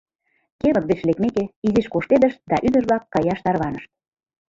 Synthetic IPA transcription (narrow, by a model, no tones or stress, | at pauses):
keβə̆t̪̚ɡet͡ɕlekmekeiziʃkoʃt̪ed̪əʃt̪̚d̪ɑʔyd̪əʒβlɑkːɑjɑʃt̪ɑrβɑnəʃt̪̚